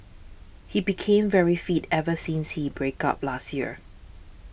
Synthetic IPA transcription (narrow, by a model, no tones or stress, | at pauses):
hibikʰẽɱvɛɹifitɛvəsĩnshibɹeka̰p̚lastjiə